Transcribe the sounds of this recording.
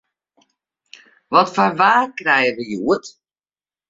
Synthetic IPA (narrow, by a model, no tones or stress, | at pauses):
ʋɔtfarʋaːkrɛjəʋəjuət